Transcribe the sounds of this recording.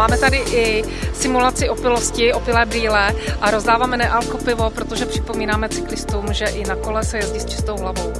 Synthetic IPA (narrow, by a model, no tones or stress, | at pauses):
aːmɛt̪adɪʔɪ | sɪmulat͡sɪʔopɪloscɪʔopɪlɛːbɾiːlɛʔaɾo̞zdaːvaːmɛnɛʔalkopɪvo̞pɾot̪oʒɛpr̝̥ɪpo̞miːnaːmɛt͡sɪklɪst̪umʒɛʔɪnako̞lɛsɛjɛzɟist͡ʃɪ̥st̪o̞wɦlavo̞w